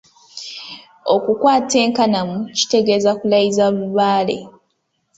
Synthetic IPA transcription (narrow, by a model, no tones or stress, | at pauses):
o̞kukwaːte̞ːŋkanamuci̥te̞ɡe̞zakulajizaβuβaːle̞̰